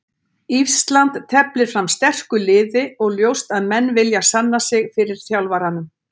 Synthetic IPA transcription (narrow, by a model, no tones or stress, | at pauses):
ifst̪lant̪t̪ʰɛplɪɾ̥fɾamst̪ɛr̥kʏlɪːðɪɔɣljowst̪aðmɛnːvɪljasanːasɪɣfɪɾɪɾ̥θjawlvaɾanʏm